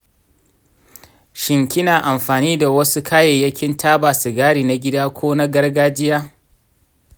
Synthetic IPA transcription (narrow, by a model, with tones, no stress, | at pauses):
ʃɪ˨ŋkʲɪ˦naː˨ʔa˨mɸaː˨niː˦da˨wɐ˦su˦kʰaː˦je˨jɐ˦kʲɪ˦ntʰaː˦baː˨si˨ɡaː˦ɽiː˨na˦ɡʲɪ˦daː˦kʷoː˦na˦ɡɐ˦rɡaː˦d͡ʒɪ˦jaː˦